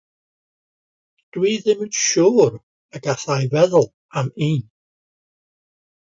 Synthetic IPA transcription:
d̥wiðɪmnʃuːɾ | əɡaθajvɛðʊlˠ | amiːn

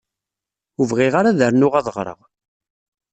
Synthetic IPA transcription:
uvʁɪʁaɾaðəɾnʊʁɑðˤʁɾˤə̰ʁ

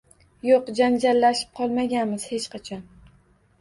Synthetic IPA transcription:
joqd͡ʒand͡ʒalːaʃɪ̥p̚qʰɒlˠmaɡʲanmɪz̥he̞t͡ʃqɑt͡ʃʰɒn

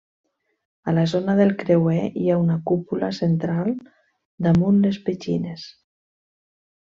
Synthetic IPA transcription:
alazonaðelˠkɾewɛiaunakupulasent̪ɾalˠ | d̪amunlespet͡ʃines

